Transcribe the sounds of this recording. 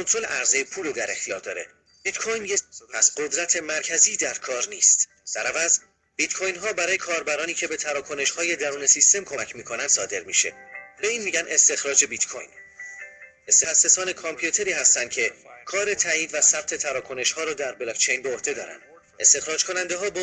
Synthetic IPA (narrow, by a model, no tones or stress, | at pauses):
kʰont̪ʰɾo̞leʔæɾzejepʰuːled̪æɾe̞xt̪ijɒːɾd̪ɒːɾe̞̰ | b̥it̪kʰojnjepʰæsɢo̞d̪ɾæt̪ʰe̞mæɾcʰæziːd̪æɾkʰɒːɾniːst̪ | d̥̪æɾævæz | b̥it̪kʰojnɦɒːbæɾɒːjekʰɒːɾbæɾɒːniːcʰe̞be̞t̪ʰæɾɒːkʰo̞ne̞ʃhɒːje̞d̪æɾuːne̞sist̪e̞mkʰo̞mæcʰmiːkʰonænd̪̥sɒːd̪e̞ɾmḭːʃe̞̰b̥e̞iːnmiːɟænʔe̞st̪e̞xɾɒːd͡ʒe̞bit̪kʰo̰jn | est̪exæsːe̞sɒːne̞kʰompʰjut̪ʰe̞ɾiːɦæst̪ænd̪̥̚cʰe̞kʰɒːɾe̞t̪ʰæiːd̪væsæb̥̚t̪ʰe̞t̪ʰæɾɒːkʰo̞ne̞ʃhɒːɾɒːd̪æɾbelɒkt͡ʃʰejnbeohd̪e̞d̪ɒ̰ːɾæ̰nd̪̥ | e̞st̪e̞xɾɒːd͡ʒkʰo̞nænd̪eɦɒːb